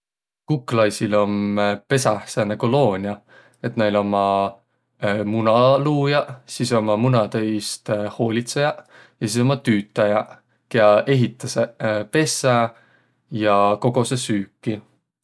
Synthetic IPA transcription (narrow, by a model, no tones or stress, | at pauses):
kukːˑlɑjsilo̞mpe̞sɑhsɑneko̞lo̞ːnʲjɑ | e̞t̪nejlo̞mɑ | munɑluːjɑsiso̞mɑmunɑt̪ɤjst̪ho̞ːlʲit̪se̞jɑ | jɑsiːso̞mːɑt̪yːt̪ːˑɑjɑ | keɑe̞ɦit̪ːˑɑsepe̞sˑɑ | jɑko̞ɡ̥o̞sesyːkːˑi